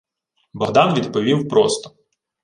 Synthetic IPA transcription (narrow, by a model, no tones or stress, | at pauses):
bɔɦd̪ɑnʋʲid̪pɔʋʲiwpɾɔst̪ɔ̥